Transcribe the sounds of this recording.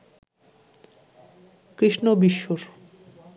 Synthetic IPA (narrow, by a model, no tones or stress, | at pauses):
kɾiʃnobiʃːoɾ